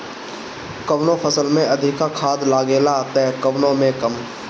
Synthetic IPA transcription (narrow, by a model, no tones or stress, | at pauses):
kəʋnõpʰəsəlmẽɐd̪ʱɪkːakʰaːd̪laːɡeːlat̪ɛkəʋnõmẽkəm